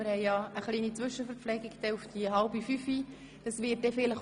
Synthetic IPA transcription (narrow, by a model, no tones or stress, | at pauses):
ɪɾhɛjjɑəχliːnit͡sʋʏʃəfɛɾflɛɡɪɡd̥ɛufd̥iəɦɑlbifyfi | d̥ɑsʋɪːt̚d̥ɛfɪləχ